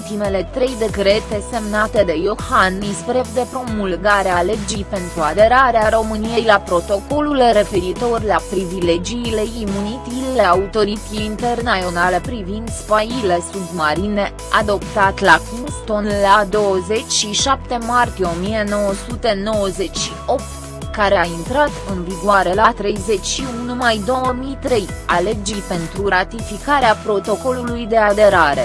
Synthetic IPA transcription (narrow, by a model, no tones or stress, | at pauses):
t̪ime̞le̞t̪ɾe̞jd̪e̞kɾe̞t̪e̞se̞mnat̪e̞d̪e̞jo̞hanːispɾe̞pd̪e̞pɾo̞mulɡaɾeale̞d͡ʒijpe̞nt̪ɾuad̪e̞ɾaɾeaɾo̞mɨnijejlapɾo̞t̪o̞ko̞lulre̞fe̞ɾit̪o̞rlapɾivile̞d͡ʒiːle̞imunit̪illeaut̪o̞ɾit̪sieint̪ernaionalepɾivind̪spailesud̪maɾine̞ | ad̪o̞pt̪at̪lakunst̪o̞nlad̪o̞wəze̞t͡ʃʲʃiʃap̚t̪e̞mart̪ije̞o̞mije̞no̞wəsut̪e̞no̞wəze̞t͡ʃʲʃio̞p̚t̪ | kaɾe̞aint̪ɾat̪ɨnviɡwaɾe̞lat̪ɾe̞jze̞t͡ʃʲʃiunnumajd̪o̞wəmijt̪ɾe̞j | ale̞d͡ʒijpe̞nt̪ɾuɾat̪ifikaɾeapɾo̞t̪o̞ko̞lulujd̪e̞ad̪e̞ɾaɾe̞